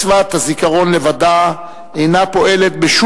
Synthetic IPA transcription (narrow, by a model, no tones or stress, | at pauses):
vat̪hazikaʁo̞nle̞vad̪a | ejnapo̞ʔe̞le̞t̪̚beʃu